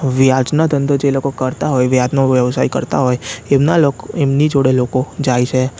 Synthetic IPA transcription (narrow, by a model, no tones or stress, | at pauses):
ʋjad͡ʒnad̪ʱənd̪od͡ʒelokokəɾt̪aɦojʋjad͡ʒnoʋjəʋsajkə̰ɾt̪aɦojemnalokemnid͡ʒoɽelokod͡ʒajt͡ʃʰe